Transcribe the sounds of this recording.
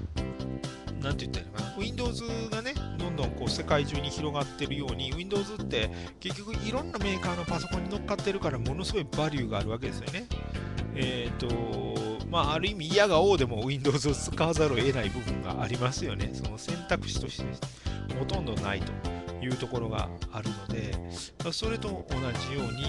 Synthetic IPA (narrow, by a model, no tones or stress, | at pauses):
nãnt̪ejɯ̟t̪ːaaɾekanaɯ̟ĩnd̪o̞ːzɨɡane̞d̪õ̞nd̪õ̞ŋko̞ːse̞kaiʑɨːɲ̟içiɾo̞ɡat̪ːe̞ɾɯ̟jo̞ːɲ̟iɯ̟ĩnd̪o̞ːzɨt̪ːe̞ | ke̞kʲːo̞kɯ̟ʔiɾõ̞nːame̞ːkaːno̞paso̞kõ̞ɲ̟ːino̞kːat̪ːe̞ɾɯ̟kaɾamo̞no̞sɨɡo̞ibaɾʲɯ̟ːɡaːɾɯ̟βake̞d̪e̞sɨjo̞ne̞ | et̪ːo̞ | maːɾɯ̟imʲiːjaɡao̞ːd̪e̞mo̞ɯĩnd̪o̞ːzɨsɨ̥kaːzaɾoe̞naibɯ̟bɯ̟̰̃ŋɡa̰ʔaɾʲimasɨjo̞ne̞so̞no̞sẽ̞nt̪akɯ̟̥ɕi̥t̪o̞ɕi̥t̪eho̞t̪õ̞nd̪o̞na̰it̪o̞jɯ̟ːt̪o̞ko̞ɾo̞ɡa̰aɾɯ̟no̞d̪e̞aso̞ɾe̞t̪o̞ʔːnaʑijo̞ːɲ̟i